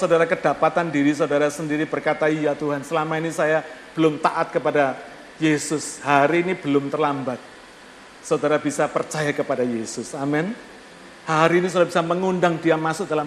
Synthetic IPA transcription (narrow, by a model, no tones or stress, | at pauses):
sawdaɾakəd̥apat̪andiɾis̬audaɾasəndiɾibərkat̪aijat̪uɦansəlamainisajab̥əlʊmt̪aʔat̪̚kəpada | jesʊshaɾiːnib̥əlʊmt̪ərlambat̪̚ | səudaɾabisapərt͡ʃajakəpadajesʊsamɛn | haɾiːnisaɾabisaməŋundaŋdiamasʊd̥ala